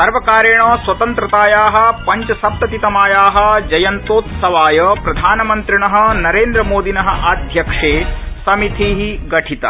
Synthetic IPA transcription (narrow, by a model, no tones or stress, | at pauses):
sɐɾʋɐkaːɾeːɳɐːsʋɐt̪ɐnt̪ɾɐt̪aːjaːɦɐ̆pɐɲt͡ʃɐsɐp̚t̪ɐt̪it̪ɐmaːjaːɦɐ̆d͡ʒɐjɐnt̪oːt̪sɐʋaːjɐpɾɐd̪ʱaːnɐmɐnt̪ɾiɳɐɦɐ̆nɐɾeːnd̪ɾɐmoːd̪inɐɦɐ̆ʔaːd̪ʱjɐkʂeːsɐmit̪ʰiɦiɡɐʈʰit̪ɐ̰